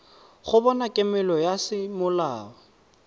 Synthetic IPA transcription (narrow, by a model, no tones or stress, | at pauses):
χʊbɔnakʼɪmɛlɔjasɪmʊlaːɔ